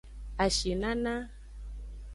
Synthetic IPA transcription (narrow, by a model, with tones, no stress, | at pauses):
a˨ʃi˨na˦na˦